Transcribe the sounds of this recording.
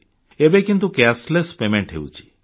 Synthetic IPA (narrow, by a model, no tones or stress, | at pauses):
ebekint̪̬ukɛslespemeɳʈɦḛṵt͡ʃʰi̥